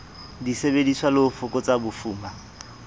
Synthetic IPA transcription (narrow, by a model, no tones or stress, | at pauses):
disebediswalɪfʊkʼɔt͡sabʊfuːma